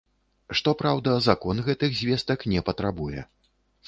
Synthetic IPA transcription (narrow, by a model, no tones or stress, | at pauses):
ʂt̪ɔpɾawd̪ɐzakɔnɣɛt̪ɨɣzʲvʲɛst̪ɐknʲɛpɐt̪ɾabujɛ̰